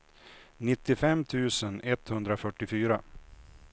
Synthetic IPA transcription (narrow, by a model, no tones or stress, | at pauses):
nɪt̪ːɪfɛmːt̪ʰʉ̟ːsənɛt̪hɵnd̪ɾafœʈːɪfyːɾa